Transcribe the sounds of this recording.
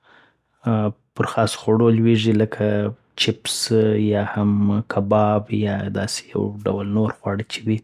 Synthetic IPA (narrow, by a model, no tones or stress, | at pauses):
pəɾxɑsxoɽolweʐiləkʰa | t͡ʃɪpsjɑhamkʰabɑbjɑd̪ɑ̰se̥ja̰wɖa̰wlnoɾɣwɑɽət͡ʃewi